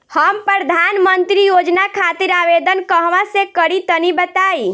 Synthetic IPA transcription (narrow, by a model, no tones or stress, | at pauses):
həmpɾəɾəd̪ʱanmənt̪ɾijod͡ʒnakʰat̪iɾaʋed̪ənkəɦʋasẽkəɾit̪ənibət̪ai